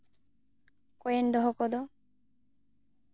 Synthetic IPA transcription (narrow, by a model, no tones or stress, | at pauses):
kojend̪ɔɦɔkɔd̪o